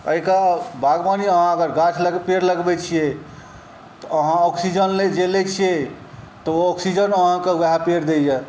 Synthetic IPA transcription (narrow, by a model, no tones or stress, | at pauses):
əikabaɡbaniəɦãəɡəɾɡat͡ʃʰləpeɾləɡbɛt͡ʃʰije | t̪ɔəɦãɔksid͡ʒənled͡ʒelet͡ʃʰije | t̪ɔɔksid͡ʒənəɦãkewɦapeɾd̪ejɛ